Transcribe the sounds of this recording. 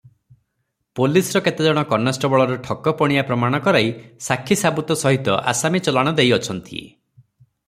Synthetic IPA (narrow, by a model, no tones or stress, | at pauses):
polisɾɔket̪ed͡ʒɔɽ̃ɔkɔnasʈɔbɔɭɔɾeʈʰɔkɔpɔɽ̃ijapɾɔmaɽ̃ɔkɔɾajsakʰisabut̪ɔsɔɦit̪ɔ̰ʔa̰samit͡ʃɔlaɽ̃ɔd̪ejɔt͡ʃʰɔnt̪ʰiḛ